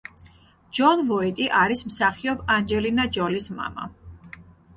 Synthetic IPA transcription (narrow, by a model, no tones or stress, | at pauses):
d͡ʒɔnvɔit̪ʼiʔaɾismsaχiɔband͡ʒɛlinad͡ʒɔlisma̰ma̰